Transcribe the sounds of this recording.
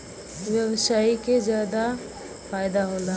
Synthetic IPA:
ʋjɐbsaːikezjaːd̪a | faːjd̪aɦoːla

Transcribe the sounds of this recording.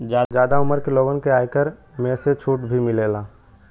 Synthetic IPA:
d͡ʒaːd͡ʒjaːd̪aʊməɾkeloːɡənkeaːjkəɾmẽːset͡ʃʰuːʈbʱimɪleːlaː

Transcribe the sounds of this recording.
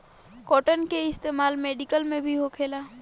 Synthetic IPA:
kɔːʈənkeɪst̪eːmaːlmeːɖikəlmẽbʱiɦokʰeːlaː

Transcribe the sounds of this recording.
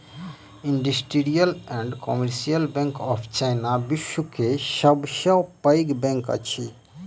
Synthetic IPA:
iɳɖisʈiɾijəlɛ̃ɳɖkɔmeɾsijəlbɛ̃ŋkɔpʰt͡ʃajnabiʃwukeʃəbʃəwpəjɡbɛ̃ŋkə̰t͡ʃʰi

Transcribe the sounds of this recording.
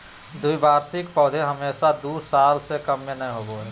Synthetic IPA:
d̪uibaːɾsikpɔːd̪ʱeɦəmeːsad̪usalsekəmːenəjɦoboɦɛ

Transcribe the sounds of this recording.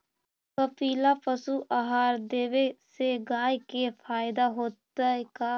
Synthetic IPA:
kəpiːlapəsuʔaɦaːɾd̪eːʋeseɡaːjkepʰaːɪd̪aɦoːt̪əka

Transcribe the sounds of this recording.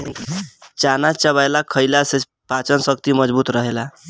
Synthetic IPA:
t͡ʃanat͡ʃəβajlakʰəɪlase | pat͡ʃənsəkt̪iməd͡ʒbut̪ɾəɦela

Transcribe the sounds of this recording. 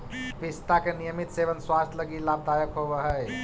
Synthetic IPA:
pist̪akenijəmit̪seʋənswast̪ʰləɡilab̚d̪ajəkɦobəɦəj

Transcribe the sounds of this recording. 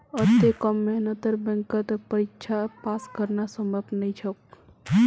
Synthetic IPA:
ət̪ːekəmːenət̪əɾbɛ̃ŋkət̪pəɾikt͡ʃʰapaskəɾnasəməpt̪nəjt͡ʃʰək

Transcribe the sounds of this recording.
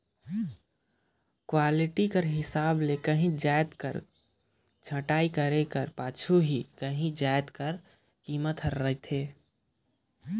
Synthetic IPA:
kwaːlɪʈikəɾɦɪsaːblekəɦĩd͡ʒaːjt̪kə̰ɾ | d͡ʒʰʱəʈaːikəɾekəɾpaːt͡ʃʰuɦikəɦĩd͡ʒaːjt̪kəɾ | kiːmət̪əɾːəit̪ʰeː

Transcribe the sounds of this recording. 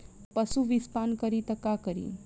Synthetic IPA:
pəsuʋispankəɾit̪əkakəɾḭ

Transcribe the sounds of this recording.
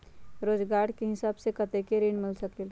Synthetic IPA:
ɾoːd͡ʒɡaːɾkeɦɪsaːbsekət̪ekeɾinmɪlsəkel

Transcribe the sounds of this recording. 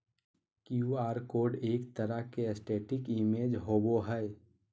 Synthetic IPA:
kjuaːɾkoːɖeːkt̪əɾəkeəsʈeːʈɪkɪmeːd͡ʒɦoːɡoɦɛɛ

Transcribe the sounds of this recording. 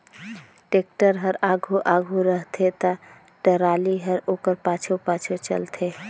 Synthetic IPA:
ʈek̚ʈəɾɦəɾaɡʱuʔaɡʱuɾəɦt̪ʰet̪ə | ɖəɾaːliɦəɾoːkəɾpat͡ʃʰopaːt͡ʃʰot͡ʃə̰lt̪ʰe

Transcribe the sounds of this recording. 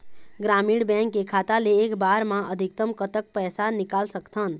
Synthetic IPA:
ɡɾamiɽbɛ̃ŋkːekʰat̪aleːkbaɾmãʔəd̪ʱikt̪əmkət̪ək̚pəjsanikalsəkt̪ʰən

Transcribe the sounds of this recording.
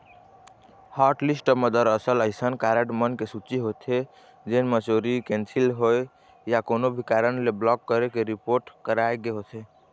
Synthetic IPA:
haɾʈlisʈəməd̪əɾəsələɪsənkaɾeʈmənkesut͡ʃiɦot̪ʰe | d͡ʒenmət͡ʃoɾikẽnsilɦoj | jakonobʱikaɾənleblɔkːəɾekeɾipoɾʈkəɾaeɡeɦot̪ʰe

